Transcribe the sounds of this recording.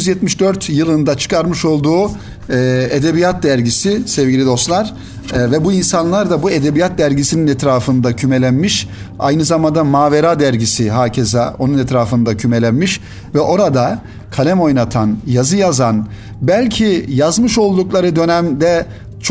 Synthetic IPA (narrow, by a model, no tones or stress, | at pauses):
yzjɛt̪miʃd̪øɾt̪jɯlˠɯnd̪at͡ʃʰɯ̥kʰaɾmɯʃo̞lˠd̪uː | ed̪ebijat̪̚d̪æɾɟisɪsɛvɟilʲid̪o̞st̪lˠaɾ̥ | vɛbuinsanlˠaɾd̪abue̞d̪ebijat̪̚d̪æɾɟisininɛt̪ɾaːfɯnd̪acʰyme̞lʲænmiʃ | a̰jnɯzamand̪amaːve̞ɾad̪æɾɟisiɦaːcʰe̞zaʔo̞nunɛt̪ɾaːfɯnd̪acʰyme̞lʲænmiʃ | vɛʔo̞ɾad̪a | kʰalʲɛmo̞jnat̪ʰanjazɯjazan | bælʲcʰijazmɯʃo̞lˠd̪uklˠaɾɯd̪ø̞næmd̪ɛ | t͡ʃʰ